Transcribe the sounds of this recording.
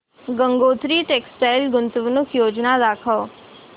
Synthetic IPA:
ɡə̃ŋɡoːt̪ɾiʈeksʈajlɡʊnt̪əʋnʊkʰjoːd͡ʒnad̪aːkʰəʋ

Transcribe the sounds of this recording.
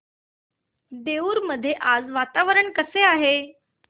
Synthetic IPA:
d̪euːɾməd̪ʱːjeʔad͡zʋat̪aʋəɾəɳkəseaɦe

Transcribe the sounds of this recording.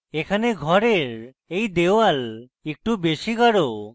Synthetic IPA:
ekʰaneɡʱɔɾeɾ | ejd̪ewal | ek̚ʈubeʃiɡaɾo

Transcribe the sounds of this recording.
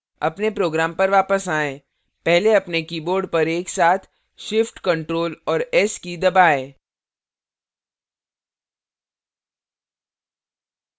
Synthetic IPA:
ɐ̰pnepɾoːɡɾaːmpɐɾʋaːpəsaːẽː | pɛɦleɐpnekiːboːɾɖ̚pɐɾeːksaːt̪ʰ | ʃɪfʈkɐ̃ɳʈɾoːlɔːɾɛskid̪ɐbaːeː

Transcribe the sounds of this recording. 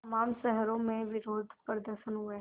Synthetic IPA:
tɐmaːmʃɛɦɾõmẽʋɪɾoːd̪ʱpɾəd̪əɾʃənɦueɦ

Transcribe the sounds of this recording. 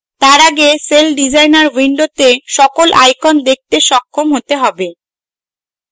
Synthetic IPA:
t̪aɾaɡeselɖid͡ʑajnaɾwiɳɖot̪eʃɔkolʔajkʰond̪ek̚t̪eʃɔkʰːomɦot̪eɦɔbe

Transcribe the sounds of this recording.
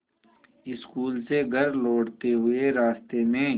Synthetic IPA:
ɪskuːlseɡʱɐɾloːɽt̪eɦʊeɾaːst̪emẽː

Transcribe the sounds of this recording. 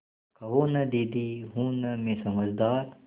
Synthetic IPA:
kʰɐʋoːnɐd̪iːd̪iːɦũːnɐmẽsɐməzd̪aːɾ

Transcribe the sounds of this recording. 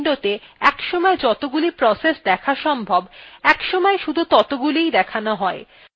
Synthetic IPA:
ɖot̪eɛkʃɔmɔed͡ʑɔt̪oɡulipɾɔsesd̪ɛkʰaɾʃɔmbʱɔbɛkʃɔmɔeʃud̪ʱut̪ɔt̪oɡulijd̪ɛkʰanoɦɔe

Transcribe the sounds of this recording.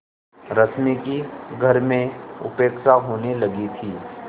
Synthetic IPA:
ɾɐt̪mikiɡʱɐɾmẽʊ̰peːkʃaɦoːnelɐɡit̪ʰiː

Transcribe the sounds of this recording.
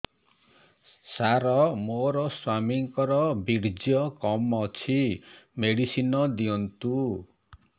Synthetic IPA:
saɾɔmoɾɔswamiŋkɔɾɔbiɽd͡ʒjɔkɔmɔt͡ʃʰimeɽisinɔd̪iɔnt̪u

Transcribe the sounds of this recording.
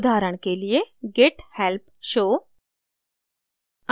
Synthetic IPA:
d̪ʱaɾəɳ̃kelijeɡeʈhɛlpʃo

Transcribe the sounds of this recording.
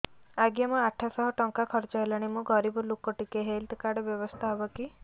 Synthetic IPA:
aɡjamɔaʈʰːasɔɦɔʈɔŋkakʰɔɾt͡ʃɔɦelaɽ̃imũɡɔɾibɔlukɔʈikeɦelt̪kaɾɖbjɔbɔst̪ʰaɦɔbɔki

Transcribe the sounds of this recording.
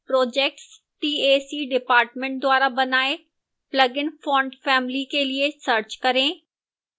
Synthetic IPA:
pɾoːd͡ʑeːk̚ʈs | ʈiːeːsiːɖɪpaːɾʈmẽɳʈ̚d̪ʊaːɾabɐnaːe | plɐɡɪnfɔ̃ːɳɖfɛːmlikeliesəɾt͡ɕkɐɾẽː

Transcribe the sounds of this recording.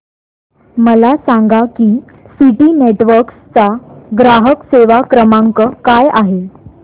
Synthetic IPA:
məlasaŋɡakiː | siʈiːneʈʋəɾkst͡saɡɾaɦəkseʋakɾəmãŋkəkajaɦe

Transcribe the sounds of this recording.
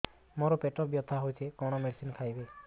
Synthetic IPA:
mɔɾɔpeʈɔbjɔt̪ʰːaɦojt͡ʃʰekɔwɽ̃ɔmelsinkʰajbe

